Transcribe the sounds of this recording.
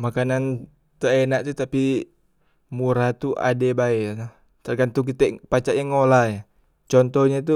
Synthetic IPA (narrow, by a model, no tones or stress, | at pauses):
makanan | t̪əɛnaʔt̪ut̪api | muɾat̪uʔa̰dɛbaɛa | t̪arɡant̪uk̬it̪ɛpat͡ʃaʔjaŋːolaja | t͡ʃɔnt̪ɔɲat̪̬u